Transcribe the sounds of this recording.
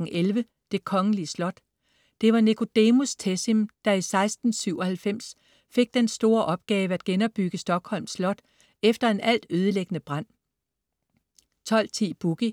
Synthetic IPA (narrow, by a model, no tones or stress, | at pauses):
ŋ̩ʔelʋə | d̥e̝kʰɒ̽ŋəliəslɒ̽d̥ | d̥e̝ʋɑ̈nekʰo̝d̥emust͡sʰesimd̥ɑ̈isɑ̈ɪsd̥n̩syʊ̰ɒ̽hælfem̰s | fe̝ɡ̥̚d̥ensd̥o̝ːɐʔɒ̽b̥̚ɡ̥ɛːʋəæd̥ɡ̥enɒ̽b̥ːyɡ̥əsd̥ɒ̽ɡ̥hɒ̽l̰mslɒ̽d̥ | efd̥ɐe̝nʔæl̰d̥øːð̞ˠəleɡ̥ənəb̥ʁɑn̰ | t͡sʰɒ̽l̰t͡sʰḭːb̥uɡ̥i